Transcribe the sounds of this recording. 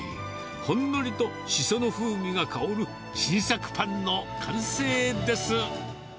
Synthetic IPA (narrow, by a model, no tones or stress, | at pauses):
hõ̞nːoɾʲit̪o̞ | ɕisonoɸɯːmʲiɡakʰaoɾɯ̟ | t͡ɕiːsakɯ̥pʰãnːo̞kʰãɰ̃seːd̪e̞sɨ